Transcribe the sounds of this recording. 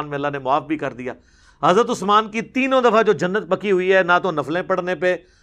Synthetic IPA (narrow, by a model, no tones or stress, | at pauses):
nmẽɐlːaːnemʊaːfbʱikɐɾd̪ija̰ː | ɦɐzɾət̪̬ʊsmaːnkit̪iːnõd̪ɐfad͡ʒoːd͡ʒɐnːət̪̚pɐkiɦʊiɦɛːnãt̪onɐflẽpɐɽnepeː